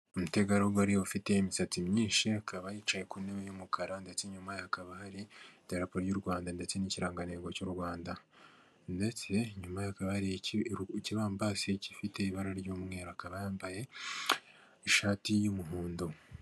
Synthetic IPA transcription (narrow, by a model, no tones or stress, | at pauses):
omute̞ɡaɾioɡaɾioβufite̞imisat͡simɲiːʃiakʰaβajiːt͡ʃaje̞kuneβejumukʰaɾande̞t͡se̞ɲumajakaβahaɾiteɾapoɾjuɾɡwaːndande̞t͡se̞niciɾaːŋɡane̞ɡo̞coɾuɡwaːnda | nde̞t͡se̞ɲumajakaβahaɾ | ciβaːmbaseci̥fite̞iβaɾaɾɟoːmŋe̞ːɾoakaβajaːmbaje̞ | ʃaːtijumuɦuːndo